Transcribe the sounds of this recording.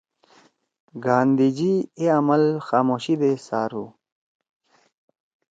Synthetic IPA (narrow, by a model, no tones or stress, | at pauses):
ɡaːnd̪id͡ʑieɐmɐlxaːmoːɕid̪esaːɾu